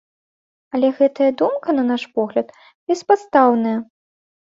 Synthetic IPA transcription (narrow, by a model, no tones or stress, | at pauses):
ɐlʲɛɣɛt̪ɐjɐd̪umkɐnɐnaʂpɔɣlʲɐt̪ | bʲɛspat̪st̪awnɐjɐ